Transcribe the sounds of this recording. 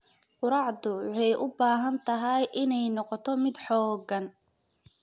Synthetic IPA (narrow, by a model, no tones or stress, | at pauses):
qʊɾɑʕd̪ʊwʊħɛjʔʊbaːɦɐnt̪ʰɐɦɐjʔɪnɛjnɔqɔt̪ʰɔmɪd̪ħɔːɡɐn